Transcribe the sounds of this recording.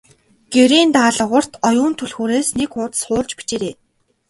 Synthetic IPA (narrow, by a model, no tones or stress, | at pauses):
ɡ̥eɾiːnt̪aːɮə̆ʁə̆r̥t̪ʰɔjʊːnt̪ʰɵɮxoːɾeːsnekʊːt̪sχʊːrt͡ɕpit͡ɕeːɾeː